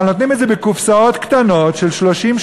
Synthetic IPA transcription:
not̪nimetzebekufsao̞t̪kt̪ano̞tʃelʃloʃim

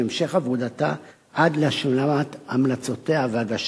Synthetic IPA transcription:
emʃeχavud̪at̪a̰ | ʔad̪leʃulamatamlat͡so̞t̪e̞aveaɡaʃ

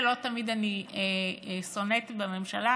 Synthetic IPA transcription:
lot̪amid̪anieso̞net̪bame̞mʃala

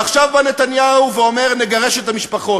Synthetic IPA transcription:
aχʃavbanet̪anjauveo̞me̞ʁneɡaʁeʃet̪amiʃpaχo̞

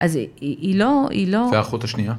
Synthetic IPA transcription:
ʔaziiloḭloaχut̪aʃnija

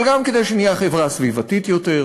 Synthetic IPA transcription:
lɡamked̪ejʃenijaχevʁasvivatitjote̞ʁ

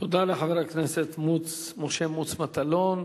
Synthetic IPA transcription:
t̪od̪aleχaveɾakneset̪mut͡s | moʃemut͡smat̪alo̞n

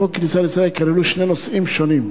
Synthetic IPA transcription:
oknisaɾisɾaelkaɾeluʃnenosimʃonim

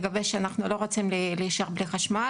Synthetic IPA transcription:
ɡaveʃeanaχnulo̞ʁot͡simlilijʃeχbliχaʃma

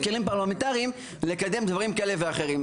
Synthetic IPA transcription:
kelimpaʁlamit̪aʁiim | le̞kad̪e̞md̪vaʁimkaeleveaχe̞ʁim

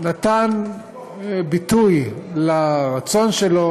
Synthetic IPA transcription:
nat̪an | bitujlaʁat͡so̞nʃelo̞

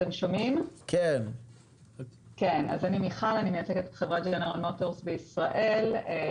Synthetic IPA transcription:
emʃomimkʰen | kena̰zanimiχalanimejat͡seketbe̥χevʁatd͡ʒaneʁalmoto̞ʁsbeisʁaʔe̞l

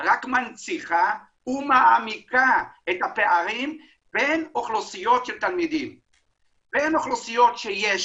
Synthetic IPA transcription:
ʁakmant͡siχa | umaʔːmikaet̪hapeʔaɾim | b̥enoχlosijot̪ʃelt̪almid̪im | b̥enoχlosijot̪ʃejeʃ

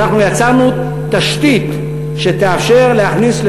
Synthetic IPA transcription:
aχnujat͡saʁnu | t̪aʃt̪it̪ | ʃe̞t̪eafʃe̞ʁle̞haχnisl

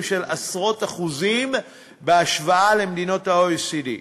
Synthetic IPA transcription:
mʃe̞lasʁo̞taχuzim | beaʃvaʔale̞md̪ino̞thaoesidḭ

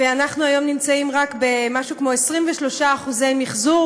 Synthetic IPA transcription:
veanaχnuajo̞mnimt͡saimʁakbemaʃukmo̞esʁimveʃlo̞ʃaːχuze̞jmiχzu

